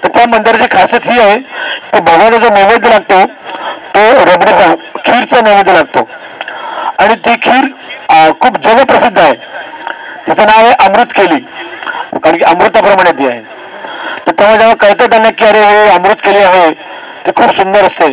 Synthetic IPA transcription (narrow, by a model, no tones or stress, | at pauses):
t̪əɾt̪jamənd̪iɾat͡ɕekʰaset̪ɦiːaɦet̪ebʱəɡət̪əd͡zomemed̪ʱːəlaɡ̚t̪ot̪oɾəbɽit͡sakʰiːɾt͡səneʋid̪ːəlaɡ̚t̪o | aɽ̃it̪iːkʰiːɾkʰuːbd͡zəʋəpɾəsid̪ʱːaɦe | t̪it͡sanaʋeʔəmɾut̪ːkeliː | kaɽ̃kiəmɾut̪ːapɾəmaɽ̃et̪iːaɦe | t̪əɾt̪jaʋ̤ad͡zaʋəkəɾt̪əd̪aljakiːəɾeɦeəmɾut̪ːkeliːaɦe | t̪ikʰuːbsund̪əɾəst̪e